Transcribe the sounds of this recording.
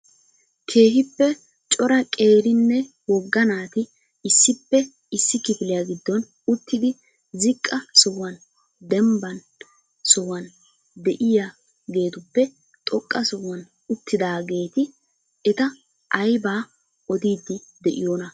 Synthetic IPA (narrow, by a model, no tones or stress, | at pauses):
kʰe̞ːɦɪpːɛ | t͡ʃʼɔɾɐkʼe̞ːɾɪnːɛ | wɔɡːɐnaːt̪ɪ | ɪsːɪpːɛ | ɪsːɪkɪfɪlɪjaɡɪd̪ːɔn | ʊt̪ːɪd̪ɪ | zɪkʼːɐsɔwːɐn | d̪ɛmbɐn | sɔwɐn | d̪ɛʔɪja | ɡe̞ːt̪ʊpːɛ | t̪ʼɔkʼːɐsɔwːɐn | ʊt̪ːɪd̪aːɡe̞ːt̪ɪ | ɛt̪ɐ | ʔɐjbaː | ɔd̪iːd̪ːɪd̪ɛʔɪ̰joːnɐ